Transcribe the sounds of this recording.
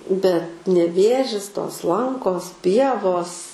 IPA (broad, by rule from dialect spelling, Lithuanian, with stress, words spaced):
bʲɛt nʲɛˈʋʲeːʒʲɪs toːs ˈlˠɐŋkoːs ˈpʲiɛʋoːs